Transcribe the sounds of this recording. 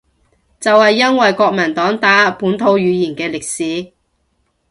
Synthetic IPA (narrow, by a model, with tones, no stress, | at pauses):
t͡sɐ˨whɐ˨jːɐ˥nwɐ˨jkɔː˧k̚mɐ˨˩nt̪ɔː˨˥ŋt̪aː˨˥˨puː˨˥nt̪ʰo˨˧˥wɥyː˨˧jiː˨˩nkɛː˧lɪ˨k̚siː˨˥